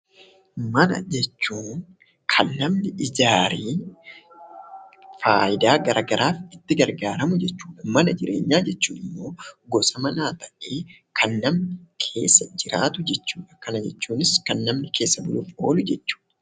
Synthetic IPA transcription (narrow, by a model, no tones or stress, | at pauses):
mɐnɐ̰d͡ʒɛt͡ʃːuːn | kʰɐnːɐmnɪʔɪd͡ʒaːɾiː | faːjɪd̪aːɡɐɾʔɐɡɐɾaːfɪt̪ːɪɡɐɾɡaːɾɐmʊd͡ʒɛt͡ʃːuːᶑɐmɐnɐd͡ʒɪɾʔe̞ːɲːaːd͡ʒɛt͡ʃːuːnɪmːo̞ːɡɔsɐmɐnaːt̪ɐʔʔe̞ː | kʰɐnːɐmnɪkʰe̞ːsːɐd͡ʒɪɾa̰ːt̪ʊd͡ʒɛt͡ʃːuːᶑɐ̥kɐnɐd͡ʒɛt͡ʃːuːnɪskɐnːɐmnɪkʰe̞ːsːɐbʊluːfo̞ːlʊd͡ʒɛt͡ʃːu̥ːᶑɐ̥